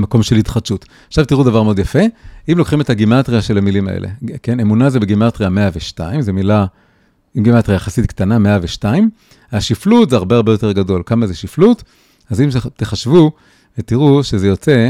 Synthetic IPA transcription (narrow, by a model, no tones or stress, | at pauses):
mako̞mʃe̞lhitχad̪ʃut | aχʃavtiʁudavaʁmeo̞d̪jafe̞imlo̞kχimetaɡimatʁiaʃe̞lamilima̰ʔḛlʔḛke̞nemunazebeɡimatʁiame̞aveʃtaimzemila | imɡimat̪ʁijajaχasitktaname̞aveʃtaim | haʃiflutzeaʁbeaʁbe̞jo̞te̞ʁɡado̞lkamazeʃiflut | azimt̪eχaʃvu | vetiʁuʃezejo̞t͡se̞